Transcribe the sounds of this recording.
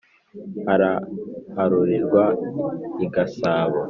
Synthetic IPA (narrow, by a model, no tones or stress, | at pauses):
haɾahaɾuɾiɾɡwa | iɡasaːβo